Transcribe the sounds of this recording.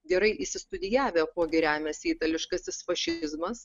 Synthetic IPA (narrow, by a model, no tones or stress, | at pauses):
ɡʲɛɾɐɪʔisʲɪst̪ʊd̪ʲɪjæːʋʲeːkoːɡʲɪɾʲæːmʲɛsʲiːt̪ɐlʲɪʃkɐsʲɪsfɐʃʲɪzmɐs